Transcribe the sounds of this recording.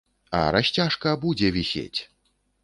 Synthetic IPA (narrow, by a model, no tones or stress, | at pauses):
ɐ̰ɾaɕʲt͡sʲaʂkɐbud͡zʲɛvʲisʲḛt͡sʲ